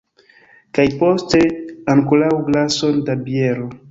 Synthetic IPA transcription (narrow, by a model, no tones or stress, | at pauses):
kajpo̞steaŋkolawɡlaso̞ndabjeɾo